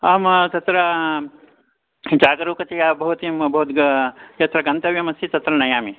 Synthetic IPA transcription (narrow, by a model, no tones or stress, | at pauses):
aːmt̪ɐt̪ɾɐ | d͡ʒaːɡɾuːkɐt̪ijaːbɐɦut̪imbɐɦut̪ɡjɐt̪ɾɐɡɐnt̪ɐʋjɐmɐsit̪ɐt̪ɾɐnɐjaːmi